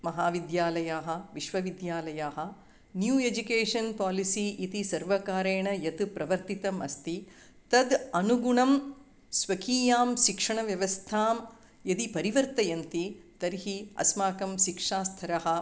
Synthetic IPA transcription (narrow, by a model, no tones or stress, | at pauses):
mɐɦaːʋid̪jaːlɐjaːɦɐ̆ʋiʃʋɐʋid̪jaːlɐjaːɦɐ̆ | njuːed͡ʒukeːʂɐnpaːlisiit̪isɐɾʋɐkaːɾeːɳɐjɐt̪upɾɐʋɐɾt̪it̪ɐmɐ̰st̪i | t̪ɐd̪ɐnuɡuɳɐm | sʋɐkʰiːjaːmʃikʂɐɳɐʋjɐʋɐst̪ʰaːm | jɐd̪ipɐɾiʋɐɾt̪ɐjɐnt̪it̪ɐɾɦiɐ̰smaːkɐmʃikʂaːst̪ʰɐɾɐɦɐ̆